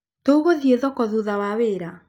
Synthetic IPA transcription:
touɣoðieðɔkɔðuðawaweːɾa

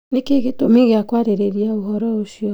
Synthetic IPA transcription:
nekeɣetomeɣeakwaɾeɾeɾiaohɔɾɔoʃiɔ

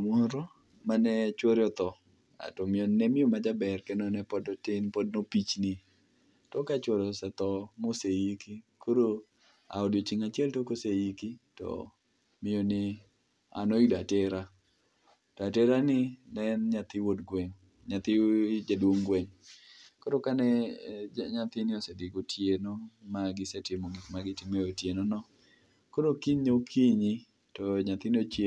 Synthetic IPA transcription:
mɔɾɔ | manɛt͡ʃwoɾɔt̪ɔ | a̰tɔmɪjonnɛmɪjomad͡ʒabɛrkɛnɔnɛpɔdɔtɪnpɔdnopit͡ʃnɪ | tɔkat͡ʃwoɾɔsɛt̪ɔmosejikikoɾo | a̰ɔdjot͡ʃɪŋat͡ʃɪɛltokosejikitɔ̰ | mɪjonɪ | a̰nɔidateɾa | tɔatɛɾanɪnɛnɲat̪ɪwodɡwɛŋ | ɲat̪ɪd͡ʒadwoŋɡweŋkoɾokanɛ | ɲat̪ɪnɪosediɡotʰjenomaɡɪsɛtɪmoɡɪkmaɡɪtɪmeotjenɔnɔ | koɾokiɲokʰiɲi | tɔɲat̪ɪnɪot͡ʃ

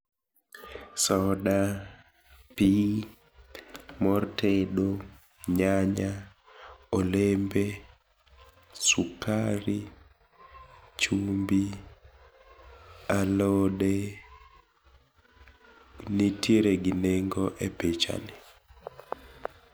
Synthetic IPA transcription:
sɔda | pi | mɔrtʰeɗo | ɲaɲa | ɔlembe | sukaɾi | t͡ʃumbi | alɔde | nitjeɾeɡɪneŋɡɔʔepet͡ʃa̰nɪ

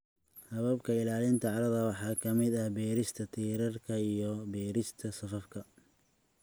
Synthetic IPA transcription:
hɐβɐbkʰɐɪlaːlɪnt̪ʰɐʕɑɾɐðɐwɑħɑːkʰɐmɪd̪ɐhbɛːɾɪst̪ʰɐt̪ʰiːɾɐrkʰɐijɔbɛːɾɪst̪ʰɐsɐfɐfkʰɐ

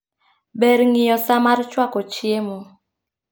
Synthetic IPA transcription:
bɛɾŋɪjɔsamaɾt͡ʃwakɔt͡ʃjemo

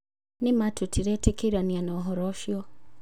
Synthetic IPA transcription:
nimatʰutʰiɾɛtɛkiɾanianɔɦɔɾɔʃjɔ

